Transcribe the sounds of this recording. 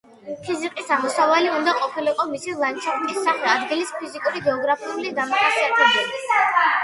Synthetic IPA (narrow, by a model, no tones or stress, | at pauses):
pʰiziqʼisamɔsavaliund̪aqʼɔpʰiliqʼɔmisilˠant͡ʃʰaft̪ʼisːaχɛad̪ɡilispʰizikʼuɾiɡɛɔɡɾapʰiulid̪amaχasiat̪ʰɛbɛli